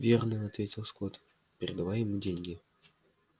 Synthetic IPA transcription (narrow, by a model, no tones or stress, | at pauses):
vʲernəɐt̪vʲetʲɪlˠskot̪ | pʲɪɾʲɪd̪avajɪmudʲenʲɡʲɪ